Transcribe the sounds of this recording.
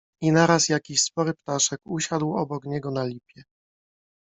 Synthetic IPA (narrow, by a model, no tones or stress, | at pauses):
inaɾasjakʲiɕspɔɾɘpt̪aʂɛkuɕad̪wɔbɔkɲɛɡɔnalʲipʲjɛ